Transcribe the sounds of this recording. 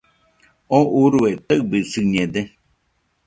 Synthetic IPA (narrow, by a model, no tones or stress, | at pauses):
oʔuɾuet̪əbɨsɨɲẽd̪e